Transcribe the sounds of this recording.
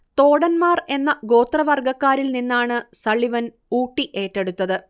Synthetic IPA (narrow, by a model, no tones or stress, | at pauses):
t̪o̞ːɽɐnmaːre̞nːɐɡo̞ːt̪rɐʋɐrɡɐkːaːɾilninːaːɳɨsɐɭiʋɐn | uːʈːiʔe̞ːʈːe̞ɽut̪ːɐðɨ